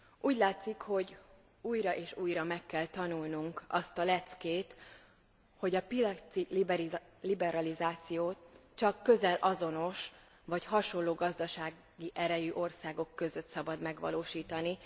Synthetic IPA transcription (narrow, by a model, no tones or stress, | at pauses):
ʔuːɟlaːt̪sikho̞ɟ | uːjɾɒʔeːʃuːjɾɒmɛkːɛlt̪ɒnulnuŋkɒst̪ɒlɛt̪skeːt̪ | ho̞ɟɒpiilblibɛɾɒlizaːt̪sijoːt̪t͡ʃɒkːøzɛlʔɒzo̞no̞ʃ | vɒchɒʃo̞lːoːɡɒzd̪ɒʃaːɡ | ɡiʔɛɾɛjyʔo̞rsaːɡo̞kːø̞zø̞t̪sɒbɒd̪mɛɡʋɒ̰loːʃiːt̪ɒni